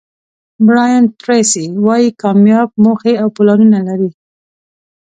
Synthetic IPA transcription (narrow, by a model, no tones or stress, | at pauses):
bɽɑjant̪ɾesiwɑjikɑmjɑb̚moxeawpʊlɑnunalaɾi